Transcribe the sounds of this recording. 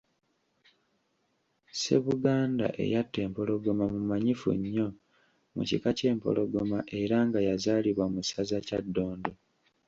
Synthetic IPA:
se̞̰βuɡaːnda̰ʔe̞̰jatːe̞ːmpo̞lo̞ɡomamumaɲifṵɲːo̞ | mṵcikace̞ːmpo̞̰lo̞ɡomaʔe̞ɾaŋɡajazaːliβwamusazacadːo̞ːndo

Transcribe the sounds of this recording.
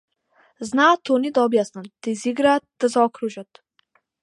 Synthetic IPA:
znaːt̪ʰonid̪ɔːbjast̪ənt̪iziɡɾat̪d̪əzɔːkʰɾuʒət̪

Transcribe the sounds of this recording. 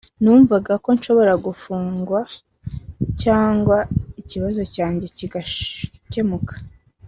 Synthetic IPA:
nuːɱvaɡako̞nʃo̞βo̞ɾaɡufuːŋɡwa | caːŋɡwaiciβazo̞caːɲɟe̞ciɡace̞mukḁ

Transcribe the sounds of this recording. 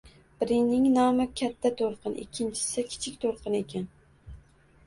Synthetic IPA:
b̥ɪɾɪŋnɪŋnɒmɪkʲʰat̪ʰːat̪ʰoɾqʰɨnʔɪ̰kʲʰːɪnt͡ʃʰɪ̥sɪkʲʰɪ̥t͡ʃʰɪkʲt̪ʰoɾqɨnekʲʰan

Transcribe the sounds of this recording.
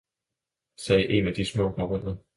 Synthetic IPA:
sɛːʔe̝næd̥ismɔ̰̽ːɡ̥mɒʁɔn̰ðɐ

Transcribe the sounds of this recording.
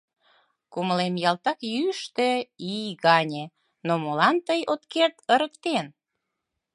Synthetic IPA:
kuməlemjɑlt̪ɑkjyʃt̪eijɣɑnʲe | nomolɑnt̪əjot̪kert̪əɾəkt̪en

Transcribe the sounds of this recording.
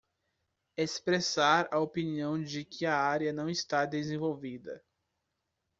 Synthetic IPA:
espɾesaɾɐopiniɐ̃w̃d͡ʒɪkʰɪɐaɾjɐnɐ̃w̃ɪst̪ad̪ezẽvowvid̪ɐ̰

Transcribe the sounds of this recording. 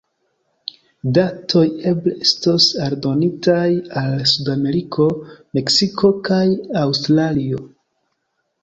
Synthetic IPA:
datʰo̞je̞bleestosaɾdo̞nitajalsudame̞ɾikʰo̞me̞ksikʰo̞kajawstɾalio̞

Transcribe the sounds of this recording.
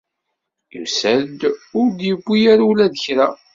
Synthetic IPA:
jṵsæd̪ʊɾd̪jəɡʷːijaɾulæðəçɾa

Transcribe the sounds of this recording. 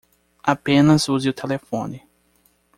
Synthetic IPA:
apẽnɐzuzɪʊt̪ʰelefõnɪ

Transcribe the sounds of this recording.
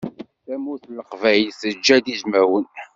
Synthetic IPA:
θæmuθləqvæjlsəd͡ʒːæd̪iʒmæwən

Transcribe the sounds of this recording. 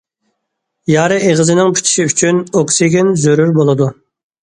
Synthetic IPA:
jɑːɾɨʔeʁəzɨnɪŋpʰi̥t͡ʃʰi̥ʃiyt͡ʃʰynokseɡʲinzøɾyɾbolˠɨd̪u

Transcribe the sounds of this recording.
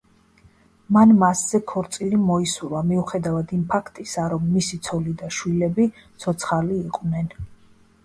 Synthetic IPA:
manmasz̥ɛkʰɔɾt̪sʼilimɔisulˠamiuχɛd̪avad̪impʰakʰt̪ʼisaɾɔmːisit̪sʰɔlid̪aʃwilɛbi | t̪sʰɔt̪sʰχaliːqʼvnɛn

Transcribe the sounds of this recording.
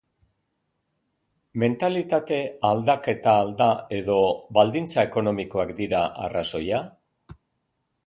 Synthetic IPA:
me̞nt̪alit̪at̪e̞ald̪ake̞t̪aːld̪ae̞ðo̞βald̪int͡saeko̞no̞miko̞akd̪iɾaʔa̰raso̞ja

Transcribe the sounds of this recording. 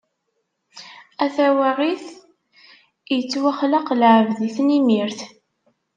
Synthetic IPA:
æθæwaʁiθ | jət͡sːwaχlaqlʕəvðiθnimiɾθ

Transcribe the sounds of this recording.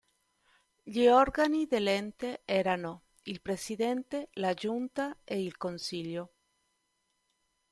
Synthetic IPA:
ʎiɔɾɡaniðelent̪eɛːɾano | ilpɾesid̪ent̪elad͡ʒunt̪aeilkonsiʎjo

